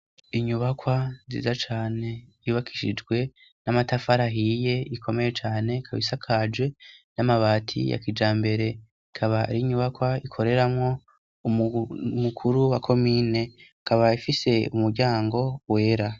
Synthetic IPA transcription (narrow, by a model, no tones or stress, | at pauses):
iɲuβakwazḭzat͡ʃaːne̞ | iβakʰi̥ʃḭd͡ʒɡwe̞ | namatafaɾaɦije̞ikʰo̞me̞je̞t͡ʃaːne̞kʰaβisakʰad͡ʒɡwe̞namaβaːtʰḭja̰kid͡ʒaːmbe̞ɾe̞ | kʰaβaɾiɲuβakwaikʰo̞ɾe̞ɾamŋo̞ | mukʰuɾuwakʰo̞miːne̞ | kʰaβaifise̞umuɾɟaːŋɡo̞we̞ːɾa